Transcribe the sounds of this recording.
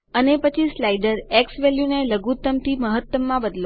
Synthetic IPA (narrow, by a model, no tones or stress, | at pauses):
ənepət͡ʃʰislajɖəɾeksʋeljuneləɡut̪ːəmt̪iməɦət̪ːəmːãbəd̪lo